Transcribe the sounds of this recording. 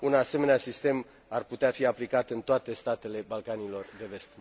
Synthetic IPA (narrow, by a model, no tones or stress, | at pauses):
unase̞me̞neasist̪e̞m | arput̪eafiaplikat̪ɨnt̪oat̪e̞st̪at̪e̞le̞balkanilo̞rd̪e̞ve̞st̪